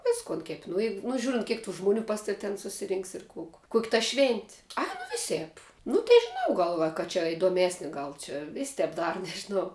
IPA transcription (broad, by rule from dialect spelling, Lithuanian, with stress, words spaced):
ˈʋʲɪskʊn kʲɛpʲ nʊ jɛɪk nʊ ˈʒʲuːrʲɪnt ˈkʲiɛk tuː ʒmʊˈnʲuː ˈpɐs tɐw tʲɛn sʊsʲɪˈrʲɪŋks ɪr kʊk kʊkʲ tɐ ʃʲʋʲɛnʲtʲ ˈɐɪ nʊ ˈʋʲɪsʲeːp ˈnʊ tʲeː ˈnʊ ˈɡɐlˠ ʋɐ kɐ t͡ʃʲɛ ɪdoːˈmʲæːsʲnʲɪ ˈɡɐlˠ t͡ʃʲɛ ʋʲeːsʲ ˈtʲɛp ˈdɑːrʊ nʲɛʒʲɪˈnɐʊ